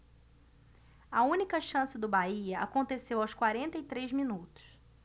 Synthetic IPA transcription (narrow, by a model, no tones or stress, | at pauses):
ɐũnikɐʃɐ̃sɪd̪ʊbaiɐa̰kõnt̪esewawskwaɾẽnt̪ɐit̪ɾezminut̪ʊ̥s